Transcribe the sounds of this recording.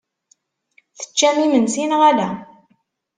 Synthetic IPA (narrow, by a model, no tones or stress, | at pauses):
θə̥t͡ʃːæmimənsinʁælæ